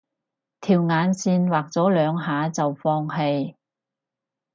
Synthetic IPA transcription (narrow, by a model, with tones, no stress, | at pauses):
t̪ʰiː˨˩wŋaː˨˧nsiː˧nwaː˨k̚t͡sɔː˨˥lœː˨˧ŋɦaː˨˥t͡sɐ˨wfɔː˧ŋɦe˧j